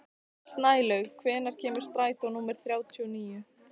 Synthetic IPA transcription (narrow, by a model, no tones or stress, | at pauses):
st̪naːjlœɣkʰvɛːnaɾ̥cʰɛːmɪɾ̥st̪ɾaːjt̪ɔnuːmɛɾ̥θɾjaːwt̪ʰiɔniːjʏ